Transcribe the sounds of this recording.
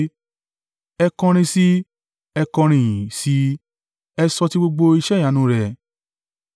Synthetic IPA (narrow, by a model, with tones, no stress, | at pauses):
ɛ˧kɔ̃˧ɾ̃ĩ˧si˦ | ɛ˧kɔ̃˧ɾ̃ĩ˨si˧˦ | ɛ˧sɔ˧ti˦ɡ͡bo˧ɡ͡bo˧i˧ʃɛ˦˨ja˨˦nũ˦ɾɛ˧